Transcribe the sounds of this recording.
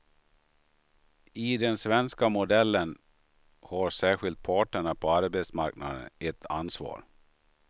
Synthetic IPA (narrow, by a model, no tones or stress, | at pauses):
ɪd̪ɛnsvɛnskamʊd̪ɛlːən | haɾsæːɧɪlt̪̚pʰɑːʈəɳapʰɔaɾbɛt̪sma̰ɾkna̰d̪ə̰nɛt̪ʰːa̰nsvɑ̰ːɾ